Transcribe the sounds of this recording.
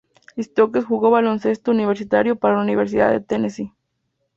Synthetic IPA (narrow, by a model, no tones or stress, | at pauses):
ist̪okesxuɣo̞βalo̞nse̞st̪ouniβeɾsit̪aɾjopaɾalauniβeɾs̬iða̰ðet̪enesi